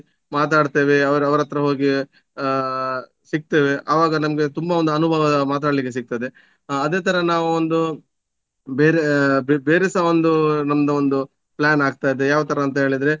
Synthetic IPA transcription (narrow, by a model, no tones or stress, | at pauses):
maːt̪̬aːɖt̪e̞ːʋeɐʋɐɾɐʋɐɾɐt̪ɾɐɦoːɡi | sik̚t̪e̞ːʋe̞ʔɐːʋaːɡɐnɐmɐɡet̪umbɐond̪uɐnubʱɐʋɐd̪ɐmaːt̪̬aːɽlikːes̬iɡ̚t̪ɐd̪e̞ | ɐd̪e̞ːt̪ʰɐɾɐnaːʋuond̪u | beːɾebebeːɾesaːʋond̪unɐmd̪ɐond̪u | pɭaːnaːɡ̚t̪aːid̪ejaːʋɐt̪ʰɐɾɐːnt̪ɐɦeːɭid̪ɾe